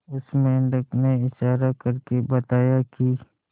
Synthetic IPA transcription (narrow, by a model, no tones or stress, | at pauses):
ʊsmɛ̃ːɳɖəkneɪʃaːɾakəɾkebɐt̪aːjaki